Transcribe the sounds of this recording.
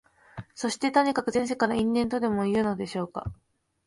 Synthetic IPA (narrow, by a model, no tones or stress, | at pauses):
so̞ɕi̥t̪e̞t̪o̞ɲ̟ikakɯ̟zẽ̞ɰ̃s̬e̞kaɾaĩnːẽ̞nt̪o̞d̪e̞mo̞iɯ̟no̞d̪e̞ɕo̞ːka̰